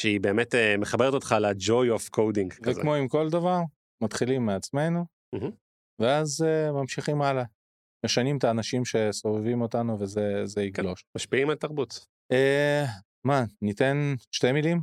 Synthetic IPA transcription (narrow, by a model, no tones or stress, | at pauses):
ʃeibe̞ːmet̪emeχabeʁt̪ot̪χalad͡ʒojofkʰowdiŋɡvekmo̞imko̞ld̪avaʁ | mat̪χilimːeat͡sme̞nu | ɦ̩ | veazemamʃiχimala | me̞ʃanimt̪aːnaʃimʃe̞so̞vevimo̞t̪anuve̞zeze̞iɡlo̞ʃmaʃpiimalt̪aʁbut | e | manit̪e̞nʃte̞milim